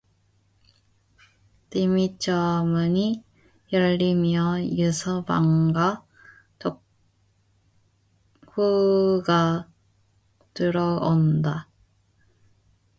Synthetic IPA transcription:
timit͡ɕʰʌmɯɲi | jʌʎːimjʌjɯsʰʌba̰ŋɡa | to | huɡa | tɯɾʌonda

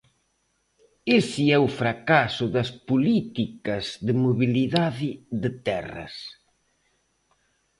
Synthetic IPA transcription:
esɪɛʊfɾakasʊðɐspulit̪ikɐzðɪmoβiliðaðɪðɪt̪ɛrɐ̰s

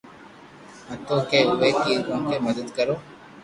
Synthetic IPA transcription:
ɐ̃t̪oːkeːʊʋekiukeməd̪əd̪kəɾoː

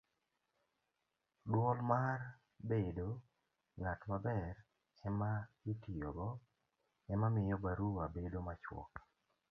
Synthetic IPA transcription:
dwɔlmar | bedo | ŋatmabɛr | ɛmaɡitijoɡɔ | ɛmamɪjɔbaɾuabedomat͡ʃwɔ̰k

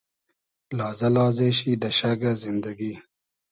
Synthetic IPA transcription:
lɑːzalɑːzeɕid̪aʃaɡazɪnd̪aɡi

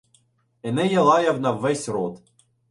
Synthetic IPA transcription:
ɛnɛjɐlˠɑjɐwnɐwːɛsʲɾɔt̪

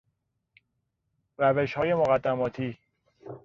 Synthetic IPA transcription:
ræve̞ʃhɒːje̞moɣæd̪ːæmɒːt̪ʰiː

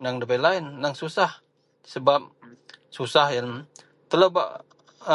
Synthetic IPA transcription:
naŋdəbajlaɪnːaŋsusah | səbap̚ | susahjaŋ | t̪əlaba̰ʔ

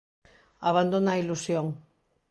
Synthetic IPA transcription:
aβand̪onailusjoŋ

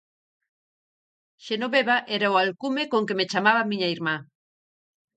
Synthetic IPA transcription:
ʃenoβeβaʔeɾaoalkumekoŋkemet͡ʃamaβamĩɲaiɾma

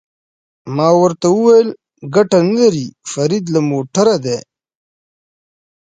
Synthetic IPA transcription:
mɑːwəɾt̪awuwajl | ɡaʈanɐlɐɾifɐɾid̪lamoːʈɐɾad̪eː

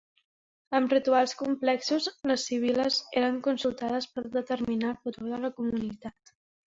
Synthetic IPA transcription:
əmrit̪ualˠskumplɛksuzləsːiβ̞iləzeɾəŋkunsulˠt̪aðəspəɾðət̪əɾminafut̪oðələkumunit̪at̪

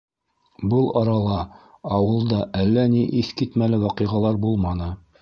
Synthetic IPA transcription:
bɤlˠɑɾɑlˠɑ | ɑwɤ̆lˠd̪ɑʔælːæniʔiθkit̪mælɘwɑqɤ̆jʁɑlˠɑɾbulˠmɑnɤ

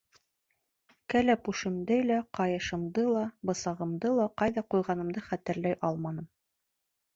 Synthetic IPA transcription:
kælæpuʃɘ̆md̪ɘlæqɑjɤ̆ʃɤ̆md̪ɤlˠɑbɤ̆sɑʁɤ̆md̪ɤlˠɑqɑjðɑqujʁɑnɤ̆md̪ɤχæt̪ɘ̆ɾlæjʔɑlˠmɑnɤm

